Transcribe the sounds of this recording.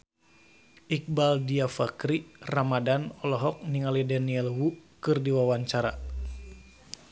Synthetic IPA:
ik̚baldiafakɾiramadanɔlɔɦɔk̚niŋalidaniɛlwukɨrdiwawaɲt͡ʃaɾa̰

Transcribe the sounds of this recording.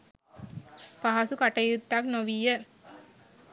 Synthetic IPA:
paɦɐsukɐʈɐjut̪ːak̚noʋijə

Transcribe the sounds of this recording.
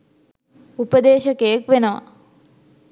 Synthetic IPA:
upəd̪eːʃɐkejəkʋenəʋɐ̰

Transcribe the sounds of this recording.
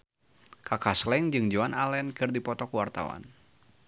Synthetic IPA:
kakaslɛŋd͡ʒɨŋd͡ʒoanalɛnkɨrdipɔt̪ɔkuwart̪a̰wa̰n

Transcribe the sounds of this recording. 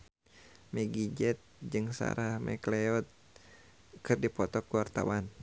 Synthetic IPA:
mɛɡid͡ʒɛt̪̚d͡ʒɨŋsa̰ɾahmɛ̰klɛɔt̪̚ | kɨrdipɔt̪ɔkuwart̪a̰wan

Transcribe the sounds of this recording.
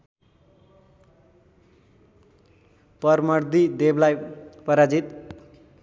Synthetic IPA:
pʌrmʌrd̪id̪eblajpʌɾad͡zit̪

